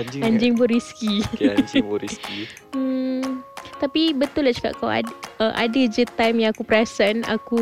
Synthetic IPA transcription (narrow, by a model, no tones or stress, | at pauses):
ãɲd͡ʒɪŋboɾiskid͡ʒiski | t̪apibət̪ʊlat͡ʃu̥ka̰ʔkawa̰əʔa̰dəd͡ʒət̪ajmjãŋakupɾasəna̰ku